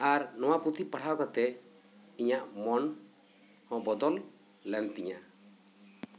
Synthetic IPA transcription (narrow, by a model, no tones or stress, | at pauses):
aɾnɔw̃apɾut̪ʰipaʈʰawkat̪ɛ | iɲaʔmɔn | hɔ̃bɔd̪ɔlː | ɛnt̪iɲa